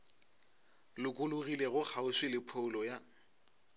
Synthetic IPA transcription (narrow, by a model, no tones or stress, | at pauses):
lʊkʼʊlʊɣileɣʊk͡xʰaʊswɪlɪpʰoʊlɔja